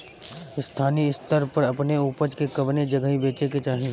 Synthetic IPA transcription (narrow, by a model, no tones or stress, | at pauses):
ɪst̪ʰaːniɪst̪əɾpəɾɐpneuːpəd͡ʒkekɐbned͡ʒɐɡəɦĩbeːt͡ʃeket͡ʃaːɦi